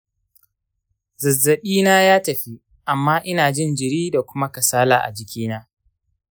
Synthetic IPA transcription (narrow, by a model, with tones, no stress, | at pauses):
zɐ˨zːɐ˨ɓiː˦naː˦jaː˦tɐ˨ɸi˦ | ʔa˨mːaː˦ʔɪ˦naː˨d͡ʒɪ˦˨nd͡ʒɪ˨ɾiː˦da˨kʷʊ˦ma˦kɐ˨saː˦la̰ː˨ʔa̰˨d͡ʒɪ˨kʲiː˦naː˦